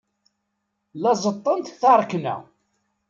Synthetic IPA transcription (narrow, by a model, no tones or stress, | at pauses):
lɑzˤət̪ˤːənt̪θɑɾˤknæ̰